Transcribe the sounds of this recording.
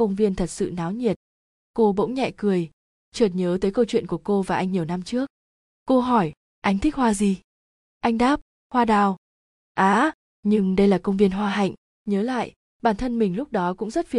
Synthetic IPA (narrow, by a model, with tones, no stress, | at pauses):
kə˧wŋ͡mvi˧ənt̪ʰə˨˩t̚sɨ̰˧˨naː˨˦wɲi˨˩ət̚ | ko˧ɓə̰˧˥wŋ͡mɲɛ̰˧˨kɨ˨˩əj | t͡ɕəː˨˩t̚ɲəː˨˦t̪əː˨˦jkə˧wt͡ɕwḭ˧˨ənku˧˩əko˧vaː˨˩ʔa˧jŋ̟ɲi˨˩əwna˧mt͡ɕɨ˦˥ək̚ | kə˧ɦɔ˧˩j | ʔa˧jŋ̟t̪ʰi˦˥k̚hwaː˧zi˧˩ | ʔa˧jŋ̟ɗaː˦˥p̚ | hwaː˧ɗaː˧˩w | ʔaː˨˦ | ɲɨ˧ŋɗə˧jlaː˨˩kə˧wŋ͡mvi˧ənɦwaː˧ɦa̰˧˨jŋ̟ | ɲəː˨˦la̰ː˧˨jʔ | ɓaː˧˩nt̪ʰə˧nmï˨˩ŋ̟lʊ˦˥k͡p̚ɗɔ˨˦kʊ̰˧˥ŋ͡mzə˦˥t̚fi˧˩